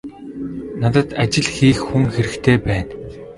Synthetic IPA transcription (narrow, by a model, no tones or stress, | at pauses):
nat̪ə̆t̪at͡ɕɪ̆ɮxiːxːuŋxeɾɘ̆kt̪ʰeːpæːn